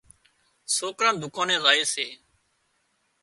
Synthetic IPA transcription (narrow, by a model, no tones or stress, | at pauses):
soːkɾənd̪ʱʊkãːnẽːzaːeːseː